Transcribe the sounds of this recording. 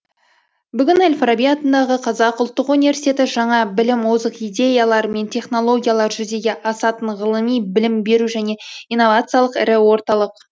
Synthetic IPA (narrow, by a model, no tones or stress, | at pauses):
bʏɡʲɪnelʲfrabijat̪ənd̪ɑʁəqʰɑzɑqʊlˠt̪ːəqunivʲe̞ɾsi̥t̪ʲe̞t̪ɪʒɑɴɑbɪlɪmwozəqijd̪ʲe̞jalˠɑɾme̞nt̪ʲʰe̞χno̞lˠo̞ɡʲijalˠɑɾʒʏɾd̪e̞ɡʲe̞ʔɑsɑt̪əɴʁəlˠəmijbɪlɪmbe̞ɾuʒæne̞ijnːo̞vat̪sɨjalˠəqɪ̰ɾɪwo̞ɾt̪ɑlˠəq